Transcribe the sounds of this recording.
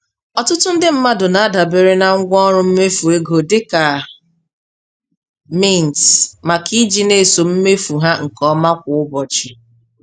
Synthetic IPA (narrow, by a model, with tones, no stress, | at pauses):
ɔ˨tʊ˦tʊ˦n̩˦dɪ˦m̩˦ma˦dʊ˨na˨a˦da˨be˦ɾe˦na˨ŋ̩˦ɡʷɔ˦ɾʊ˦m̩˦me˦fu˨e˦ɡo˨dɪ˦ka˨ | mi˦˨n˨tma˨ki˦d͡ʒi˦ne˦˨so˨m̩˦me˦fu˨ɦa˦ŋ̩˨kɔ˦ma˦kʷʊ˨ʊ˦bɔ˨t͡ʃi˨